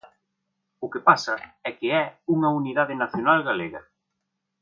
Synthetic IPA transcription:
ʊkɪpasɐɛkɪɛuŋɐuniðaðɪnaθjonalɣaleɣɐ

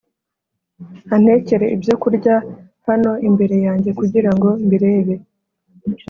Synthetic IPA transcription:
an̥e̞ce̞ɾe̞ʔibjo̞kuɾɟa | hano̞imbe̞ɾe̞jaːɲɟe̞kuɟiɾaŋɡo̞mbiɾe̞ːβe̞

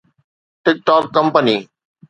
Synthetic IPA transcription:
ʈɪk̚ʈɔːkːə̃mpəniː

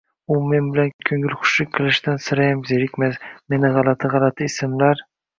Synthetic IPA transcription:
ʊme̞nbɪlankʲʰɵŋɪlχʊ̥ʃlɪkʲkʰɨlˠɪʃt̪ansɪɾajamzeɾɪkʲmasme̞nɪʁɑlˠat̪ʰɪʁɑlˠat̪ʰɪːsɪmlaɾ

